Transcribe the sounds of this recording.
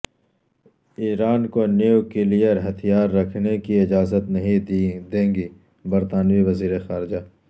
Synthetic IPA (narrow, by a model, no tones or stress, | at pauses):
iːɾaːnkoniukelijəɾɦɐt̪ʰijaːɾːɐkʰnekiɪd͡ʒaːzət̪nɐɦĩd̪ẽːŋɡi | bɐɾt̪aːnʋiʋɐziːɾexaːɾɪd͡ʒaː